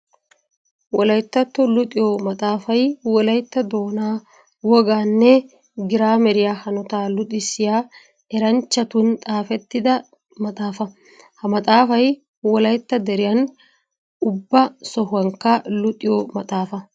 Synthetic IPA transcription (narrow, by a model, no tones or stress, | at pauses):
wɔlɐjt̪ːɐt̪ːɔlʊt̪ʼɪjoːmɐt̪ʼaːfɐjwɔlɐjt̪ːɐd̪o̞ːnaː | wɔɡaːnːɛ | ɡɪɾaːmɛɾɪjaːhɐnɔt̪aːlʊt̪ʼɪsɪjaː | ɛɾɐnt͡ʃːɐt̪ʊnt̪ʼaːfɛt̪ːɪd̪ɐ | mɐt̪ʼaːfɐ | hɐmɐt̪ʼaːfɐj | wɔlɐjt̪ːɐd̪ɛɾɪjɐn | ʊbːɐsɔhɐŋkːɐlʊt̪ʼɪjomɐt̪ʼaːfɐ